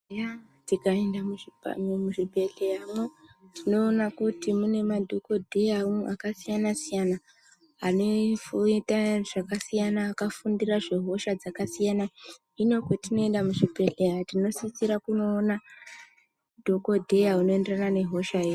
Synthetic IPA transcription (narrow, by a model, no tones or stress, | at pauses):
ja | tikaendamuḭmuʐibʱe̞ɮejamotʰino̞ːnakutimune̞madʱoko̞dʱe̞jaumʔakasijanasijana | anefitaʐ̥akasijanaːkafundiraʐe̞ɦo̞ʃad͡zakasijana | ino̞kwetino̞e̞ndamuʐibʱe̞ɮejatino̞sit͡siɾakuno̞ːna | dʱoko̞dʱe̞jauno̞e̞nderanane̞ɦo̞ʃae